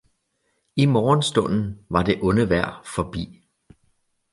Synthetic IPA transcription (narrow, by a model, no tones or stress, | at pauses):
imɒːnsd̥ɔ̽n̰n̩ʋɑ̈de̝ʔɔ̽nəʋæɐ̰fɒb̥ḭː